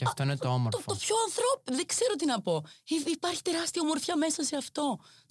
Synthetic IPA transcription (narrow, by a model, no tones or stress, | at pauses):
ceɐft̪o̞inet̪oomoɾofopçoɐnθɾopðe̞kse̞ɾo̞t̪inɐpo̞iipɐɾçi̥t̪e̞ɾɐst̪iɐomo̞ɾfçɐme̞sɐse̞ɐft̪o̞